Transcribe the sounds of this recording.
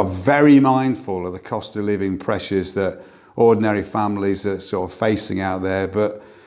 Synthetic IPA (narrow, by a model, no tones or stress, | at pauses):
əvɛɹimãɪ̃nd̥fəlˠəvðəkʰɒstəlɪvɪ̃ŋpʰɹ̥ɛʃəzðət | ʔɔːdⁿn̩ɛɹifãmlizəsɔɹtəv̥feɪsɪ̰̃ŋaʊʔ̪̚ðəbʌʔ